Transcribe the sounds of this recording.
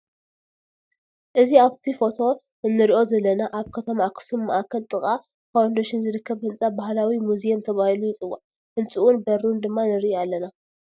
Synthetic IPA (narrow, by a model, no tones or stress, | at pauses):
ʔɨziaβt̪ʰifo̞t̪ʰo̞ | ɨnːɨɾiʔo̞zɐlːɐnaʔaβkʰɐt̪ʰɐmakʰɨ̥sumːɐʔakʰɐlt̪ʼɨχʼa | kʰawnd̪ɐʃɪnzɨɾɨkːɐβhɨnt͡sʼabahlawimuzijɐmt̪ʰɐβahilujɪt͡sʼɨwːaʕ | hɨnt͡sʼɨʔunbɐɾund̪ɨmːanɨɾʔialːɐna